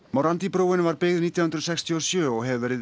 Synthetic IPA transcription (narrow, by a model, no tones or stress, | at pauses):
mowɾant̪ipɾoːwɪnvaɾpɪɣðniːt̪jahʏnɾðsɛkst̪ʰiɔsjœːɔɣɦɛðvɛːɾɪ